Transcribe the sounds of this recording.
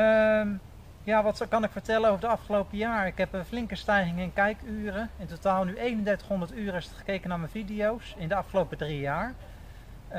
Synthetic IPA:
m | jaːʋɑtkɑnɪkfəɹtɛlənowvəɹdəɑfχəlowpəjaːɹɪkɦɛpəflɪŋkəstɛjχɪŋəɪnkɛjkyːrəɪntotaːlˠnyʔejnəndɛɹtə̥χɦɔndəɹtyːrəɪstχə̥kejkənaːɹmənvidijowsɪndəɑfχəlowpədrijaːɹ

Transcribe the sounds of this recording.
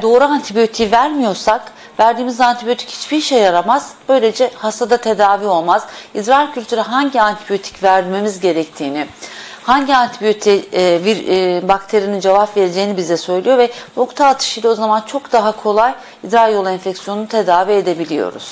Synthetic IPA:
d̪o̞ːɾuant̪ʰibijo̞t̪ʰivæɾmijo̞ɾsak | væɾd̪iːmizant̪ʰibijo̞t̪ʰi̥chi̥t͡ʃbiɾʃejaɾamaz̥b̥ø̞jlʲe̞d͡ʒɛhast̪ʰad̪at̪ʰe̞d̪aːviːo̞lˠmaz̥id̪ɾaɾcʰylʲt̪ʰyɾɛɦaɲɟiant̪ʰibijo̞t̪ʰi̥cvæɾme̞mizɟe̞ɾɛc̚t̪ʰiːnihaɲɟiant̪ʰibijo̞t̪ʰiviɾbakt̪ʰeɾijinind͡ʒevapve̞ɾed͡ʒe̞jinibizd̪ɛsø̞jlʲˠijo̞vɛno̞kt̪ʰaːt̪ʰɯ̥ʃɯjlao̞zamant͡ʃʰo̞kd̪aɦakʰo̞lˠaj | id̪ɾaɾjo̞lˠɛnfɛcsijo̞nunut̪ʰe̞d̪aːvie̞d̪e̞bilʲijo̞̰ɾṵz̥

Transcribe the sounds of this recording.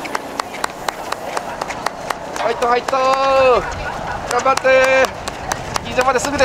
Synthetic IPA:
hait̪ːohait̪ːo | ɡ̥ãmbat̪ːe | ɡʲizamad̪esɨɡɯ̟d̪e

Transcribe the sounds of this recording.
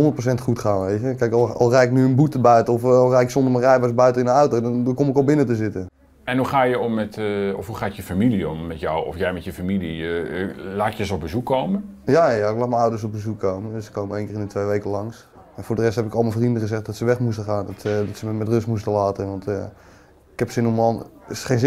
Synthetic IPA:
ɦɔndərtprosɛntχutχaːnʋejtəkɛjklˠɑ̰lˠrɛjɪk̚nyənbutəbœɥtəɔflˠrɛjɪksɔndəmərɛjbəsbœɥtənɪnənɔwtowdɔndɔkɔmɪkɔlˠbɪnətəzɪtə | ɛnɦuχaːjəɔmːɛtɔfɦuχaːtjəfamiliɔmːɛtja̰wɔ̰fjɛjmɛtjəfamili | laːtjəsəɔb̚bəzukːowməjajaɪklaːt̚məawdərs̬ɔb̚bəzukʰːowməndøsə̥kːowməejŋkɪːrɪnətʋejʋejkəlɑŋs | ɛnfʊːɹdərɛstɦɛpɪkɑlˠmənfrindəχəzɛxt̚dɔtsəʋɛχmustəχaːndɔtsədɔtsəmɛmɛtrøstmustəlaːtəʋɑnt | ɪkhɛpsɪnɔmɔnχenz

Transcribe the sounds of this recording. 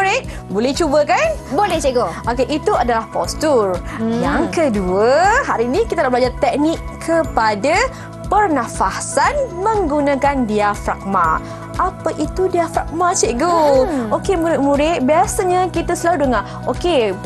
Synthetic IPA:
uɾɪʔ̚ | bolɛht͡ʃubəkanbolɛt͡ʃeɡoʔokeʔit̪uadalahpɔst̪urjaŋkəduəhaɾinĩkit̪anabəlad͡ʒart̪ɛk̚nɪkːʰəpada | pərnãfasanmə̃ŋɡunãkandiafɾa̰k̚ma̰ | ʔapaʔit̪udiafɾa̰k̚mat͡ʃeʔɡookemuɾɪʔ̚mũɾɪʔ̪̚biasaɲakit̪asəlaludəŋa | ʔoke

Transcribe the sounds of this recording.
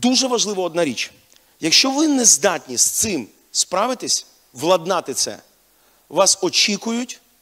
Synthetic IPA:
d̪uʒɛʋɐʒlˠɪʋɐɔd̪nɑɾʲit͡ʃ | jɐkʃt͡ʃɔʋɪnɛzd̪ɑtʲnʲist̪sɪm | spɾɑʋɪt̪ɪsʲ | ʋlˠɐd̪nɑt̪ɪt̪sɛ̰ | ʋɑsɔt͡ʃʲikʊjʊtʲ

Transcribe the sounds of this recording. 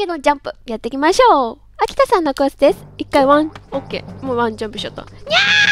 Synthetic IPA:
ked̪omd͡ʑãmpɯ̟jat̪ːekʲimaɕo̞ː | akʲi̥t̪asãnːokɯ̟asɨd̪e̞sɨ̥ikːaiβãŋokːe̞̰ːmoːβãɲd͡ʑãmpɯ̟̥ɕot̪ːo̰ɲʲe

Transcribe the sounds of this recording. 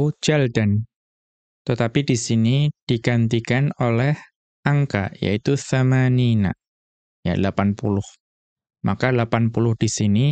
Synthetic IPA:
d͡ʒɛldan | t̪ət̪apidisinid̥iɡant̪̬ikanolɛh | ʔaŋka̰ja̰it̪uθamanina̰ | ja̰lapanpṵlʊh | makalapanpulʊhd̥isini

